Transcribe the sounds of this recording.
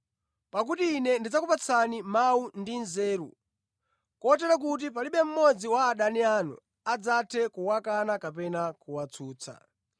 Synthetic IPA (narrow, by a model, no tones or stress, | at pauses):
pak̬utiːnɛndid͡zakupat͡sʰanimawundinzɛːɾṵ | kɔtɛɾak̬ut̬ip̬aliɓɛm̩mɔd͡ziwaːɗanianṵ | ad͡zatʰɛkuwakanakapɛnakuwat͡sʰuːt͡sʰa̰